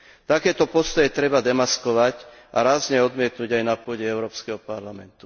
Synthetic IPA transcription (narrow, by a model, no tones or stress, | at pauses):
t̪akɛːt̪ɔpɔst̪ɔjɛt̪ɾɛbad̪ɛmaskɔʋacʔa̰ɾaːzɲɛɔd̪mɪɛt̪nuɟajnapʊɔɟɛɛʊɾɔːpskɛɦɔpaɾlamɛ̰nt̪u̥